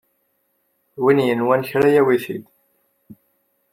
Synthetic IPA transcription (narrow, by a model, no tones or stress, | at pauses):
winjənwænçɾæjæwiθḭd̪